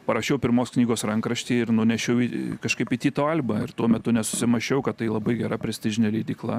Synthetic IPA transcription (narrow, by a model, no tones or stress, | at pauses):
pɐɾɐʃʲɛʊpʲɪɾmoːsknʲiːɡoːsɾɐŋkɾɐʃʲt̪ʲiːɪɾnʊnʲɛʃʲɛʊikɐʃkɐɪpit̪ʲiːt̪oːɐlʲbɐɪrt̪uɔmʲɛt̪ʊnʲɛsʊ̥sʲɪmɐʃʲɛʊkɐt̪t̪ɐɪlˠɐbɐɪɡʲɛɾɐpʲɾʲɛsʲt̪ʲɪʒʲɪnʲɛlʲiːd̪ʲiːklˠɐ